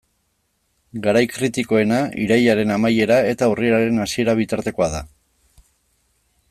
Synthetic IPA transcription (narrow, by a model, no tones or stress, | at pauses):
ɡaɾajkɾit̪iko̞e̞naḭɾajaɾe̞namaje̞ɾae̞t̪aurie̞ɾaɾe̞nasie̞ɾaβ̞it̪aɾt̪e̞ko̞aða